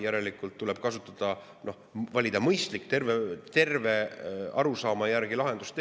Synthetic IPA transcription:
jæɾe̞likːˑult̪ːuleb̥̚kɑsut̪ˑːɑd̪̥ɑ | no̞hvɑlʲid̪̥ɑmɤjst̪likːt̪e̞rvet̪e̞rve̞ɑɾusɑːmɑjæɾɡ̥ilɑɦe̞nd̪ust̪

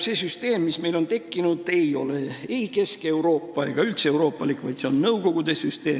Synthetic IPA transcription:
se̞syst̪e̞ːmːisme̞jlo̞nt̪e̞kːinud̪̥e̞jo̞̰le̞eike̞ske̞wɾo̞ːpːɑe̞̰ɡ̥ɑylt̪se̞wɾo̞ːpːˑɑlikˑvɑ̰jt̪seo̞nːɤwko̞ɡ̥ud̪e̞syst̪e̞̰ː

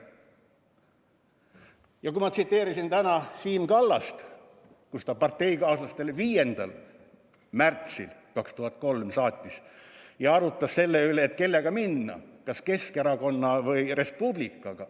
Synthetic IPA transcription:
jɑkuimɑt̪sit̪ːe̞ːɾisint̪ænɑsiːmkɑlːɑst̪ | kust̪ɑpɑrt̪ːe̞jkɑːsɑst̪e̞lviːje̞nd̪̥ɑ̰l | mært̪silkɑkst̪uhɑt̪ːˑko̞lmsɑːt̪ʲːˑisjɑɑɾut̪ːˑɑsse̞lːe̞yleːt̪ke̞lːe̞ɡ̥ɑminːɑ̰kɑske̞ske̞ɾɑko̞nːɑvɤjre̞spublikːˑɑɡ̥ɑ

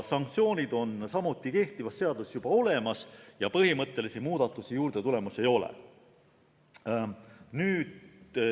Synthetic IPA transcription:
sɑŋk̚t̪sio̞ːnʲid̪o̞nsɑmut̪ːˑike̞ht̪ivɑsse̞ɑd̪̥usjub̥ɑo̞le̞mɑsjɑpɤɦimɤt̪ːˑe̞lisimuːd̪̥ɑt̪ːˑusijuːɾd̪e̞t̪ule̞muse̞jo̞lḛ | nyːd̪

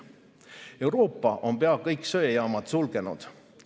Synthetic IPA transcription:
e̞wɾo̞ːpːˑɑʔo̞mpe̞ɑkɤjkˑsøjejɑːmɑd̪̥sulɡ̥e̞nṵd̪̥

